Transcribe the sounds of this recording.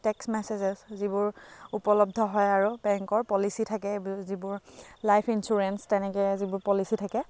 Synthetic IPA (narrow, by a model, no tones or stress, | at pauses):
tɛksmɛsezɛszibʊɹupɔlɔb̚dʱɔɦɔjaɹubɛŋkɔɹpɔlisitʰakɛzibʊɹlajpʰinsuɹɛnstɛnɛkɛzibʊɹpɔlisitʰakɛ